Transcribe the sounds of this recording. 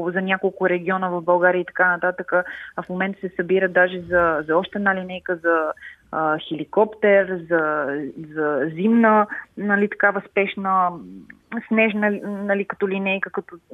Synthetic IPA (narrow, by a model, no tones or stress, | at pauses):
zɐnʲjakolˠkʊɾɛɡ̟ʲiɔnəvɐvbɐlˠɡaɾiəit̪ɐ̥kanɐt̪at̪əkəːfmomɛnt̪ə̥sɛsɐbiɾəd̪aʒɛzɐzɐɔʃt̪ɛd̪nalinɛjkəzɐəxɛlikɔpt̪ɛɾzɐzɐzimnənɐlit̪ɐ̥kavəspɛʃnə | snɛʒnənɐlikɐt̪ɔlinɛjkəkɐt̪ɔ